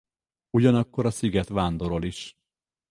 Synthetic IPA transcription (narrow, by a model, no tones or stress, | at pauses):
uɟɒnɒkːo̞ɾɒsiɡɛt̪ʋaːnd̪o̞ɾo̞liʃ